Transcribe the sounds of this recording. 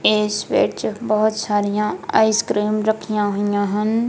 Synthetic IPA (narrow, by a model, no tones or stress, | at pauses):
eːsʋḛːʈt͡ʃbɐɦʊt̪saːɾijãa̰ːɪskɾiːmɾɐkʰijãɦojãːɦɐn